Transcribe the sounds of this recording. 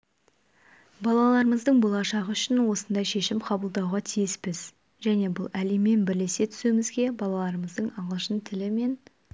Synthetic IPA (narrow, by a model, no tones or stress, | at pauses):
bɑlˠɑlˠɑɾəməzd̪əɴbolˠɑʃɑʁəʏʃɪnwo̞sənd̪ɑjʃe̞ʃɪmqʰɑbəlˠd̪ɑwʁɑt̪ʰijɪspɪz | ʒ̥æne̞bʊlˠæleme̞nbɪɾle̞se̞t̪ʰʏ̥sumɪzɡʲe̞bɑlˠɑlˠɑɾəməzd̪əɴɑɴəlˠʃənt̪ʰɪlɪme̞n